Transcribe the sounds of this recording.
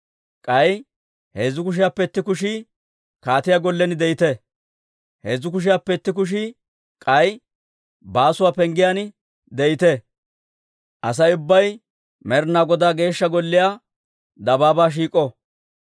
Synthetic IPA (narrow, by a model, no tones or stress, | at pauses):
kʼɐj | hezːʊkʊʃ̬ɪjaːpːɛt̪ːɪk̬ʊʃi | kaːt̪ɪjaɡɔlːɛnɪd̪ɛjɪt̪ɛ | hɛzːʊkʊʃ̬ɪjaːpːɛt̪ːɪk̬ʊʃ̬ɪ | kʼɐj | baːsʊwaːpɛŋɡɪjanɪ | d̪ɛjɪt̪e | ʔɐs̬ɐjʊbːɐj | mɛɾnaːɡɔd̪aːɡe̞ːʃːɐɡɔlːɪjaː | d̪ɐbaːbaːʃ̬iːkʼːɔ